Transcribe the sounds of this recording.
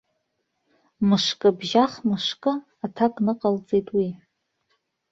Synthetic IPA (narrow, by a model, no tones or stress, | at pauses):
mɨʂkʼɨbʒaχmɨʂkʼɨ | atʰakʼnɨqʼalt͡sʼejtʼwi